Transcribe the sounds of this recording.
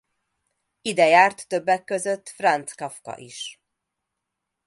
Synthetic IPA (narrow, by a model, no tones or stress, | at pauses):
id̪ɛjaːrt̪ːøbːɛkːøzøt̪ːfrɒnt̪skɒfkɒ̰ʔiʃ